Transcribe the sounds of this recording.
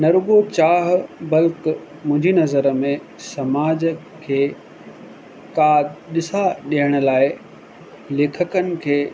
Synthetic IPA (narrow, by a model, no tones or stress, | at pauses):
nɐɾʊɡot͡ɕaːɦbɐlkmʊ̃ɦɪ̃ɲd͡ʑinɐzəɾmẽ | sɐmaːd͡ʑə | kʰeː | kaːɗɪsaɗiɦəɽ̃ʊ̆laːɪ | leːkʰəkənɪ̆kʰeː